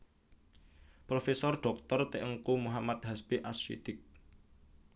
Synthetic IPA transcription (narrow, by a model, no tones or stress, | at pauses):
pɾofesɔrɖ̥ɔ̤k̚t̪ɔrt̪eʔəŋkumuɦamat̪̚ɦaspiʔasʃḭd̪̥ɪk̚